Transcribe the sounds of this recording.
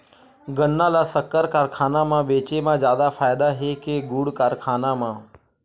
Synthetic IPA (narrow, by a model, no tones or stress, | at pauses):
ɡənːãːlasəkːəɾkaːɾkʰaːnãmãʋeːt͡ʃemãːzjaːd̪afʰaːjɪd̪aɦekeɡuːɽkaɾkʰaːnãmãː